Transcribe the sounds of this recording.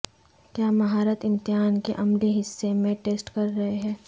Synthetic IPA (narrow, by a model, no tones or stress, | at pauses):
kjaːmɐɦaːɾət̪ɪ̃mt̪ɪɦaːnkeʔɐmliɦɪsːemẽʈeːsʈkɐɾːɐɦeɦɛ̃ː